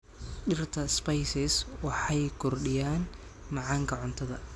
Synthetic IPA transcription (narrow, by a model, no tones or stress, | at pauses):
ɗɪrt̪ʰɐspɐjsɪswɑħɑjkʰɔrɗɪjaːnmɑʕɑːŋkʰɐʕʊnt̪ʰɐðɐ̰